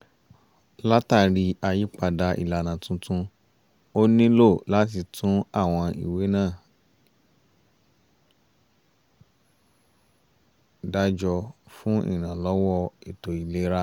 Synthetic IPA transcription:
la˦ta˦˧˨ɾi˧a˧ji˦k͡pa˦˨da˧ʔḭ˨la˨nã˨tũ˦tʰũ˧ | o˦nĩ˦lo˦˨la˨˦t̬i˧tʰũ˨˦a˦˨w̃ɔ̃˧ḭ˨we˨˦nãː˦˨ | da˦d͡ʒɔ˧fũ˦ḭ˦˨ñã˨lɔ˨˦wɔ˦i˦˨to˨i˨le˨˦ɾa˦

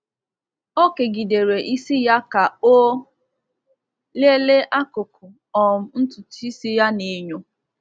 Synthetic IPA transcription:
o˦ke˨ɡi˨de˨ɾe˨ʔi˦si˦ja˦ka˨o˦ | le˦le˦ʔa˦kʊ˨kʰʊ˨ | ɔ˨m̩˦n̩˦tʊ˨ti˦si˦ja˦ne˨˦ɲo˦

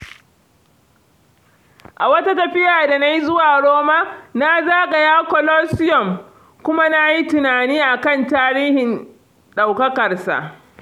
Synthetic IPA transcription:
ʔa˨wɐ˦ta˦tɐ˨ɸɪ˦jaː˨da˨na˦ji˦zʊ˦waː˨ɽoː˦ma˦na˦zaː˦ɡa˨jaː˦kɔ˨loː˦sɪ˦jɔ˨m | kʷʊ˦ma˦na˦ji˦tʊ˨naː˨niː˦ʔa˨kɐ˦˨ntaː˦ɾiː˦hɪ˨n | ɗa˨wkɐ˦kɐ˨rsa̰˨ʔ

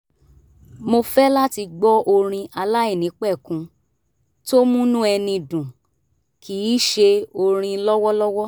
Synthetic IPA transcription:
mo˧fɛ˦la˦ti˧ɡ͡bɔ˦ʔo˧ɾ̃ĩ˧ʔa˧la˦i˦˨nĩ˨˦k͡pɛ˦˨kũ˧ | to˦mũ˦nũ˦ɛ˧nĩ˧dũ˨ | kʰi˨˦ʃe˧o˧ɾ̃ĩ˧lɔ˦wɔ˦lɔ˦wɔ˦

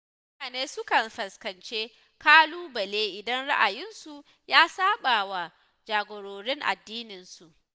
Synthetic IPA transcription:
mʊ˦naː˨neː˦sʊ˦kɐ˨nɸɐ˨skɐ˨nt͡ʃeː˦ | kaː˦luː˦bɐ˨leː˦ʔɪ˨dɐ˦nɽa˦ʔa˨jɪ˦nsu˨ | jaː˦saː˦ɓaː˨wa˨ | d͡ʒaː˨ɡʷoː˨ɾoː˨ɾɪ˦ŋʔa̰˨dːiː˦nɪ˨nsu˨ʔ

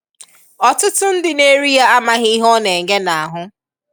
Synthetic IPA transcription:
ɔ˨tʊ˦tʊ˦n̩˦dɪ˨ne˦ɾi˦ja˦a˦ma˦ɦɪ˦ɦɔ˦ne˨ŋe˦na˨a˨ɦʊ˦

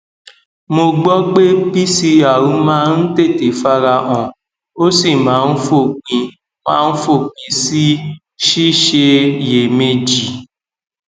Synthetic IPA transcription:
mo˧ɡ͡bɔ˦k͡pe˦pi˦si˧a˨ɾũ˨˦mã˦n̩˦te˦˨te˨˦fa˦ɾa˧ʔɔ̃˨ | o˦si˦˨mãː˨˦˧n̩˦fo˦˨k͡pĩ˧ | mãː˦˧n̩˦fo˦˨k͡pĩ˨si˦ | ʃi˦ʃe˧je˨me˧d͡ʒi˨

